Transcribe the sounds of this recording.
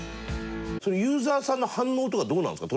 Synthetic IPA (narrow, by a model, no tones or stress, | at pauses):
soɾojɯ̟ːzaːsãnːo̞hãnːo̞ːt̪̬okad̪oːnã̰nskat̪o